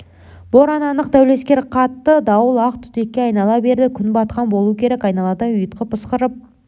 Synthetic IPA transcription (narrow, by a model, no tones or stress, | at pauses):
b̥oɾɑnɑnəqd̪æwle̞skʲe̞ɾqʰɑt̪ːəd̪ɑwəlˠɑqt̪ʰʏ̥t̪e̞kʲːe̞ɑjnɑlˠɑbe̞ɾd̪ɪkʲʰʏnbɑt̪qɑnbo̞lˠukʲʰe̞ɾekɑjnɑlˠɑt̪ənʏjət̪̚qəpʰəsqəɾəp̚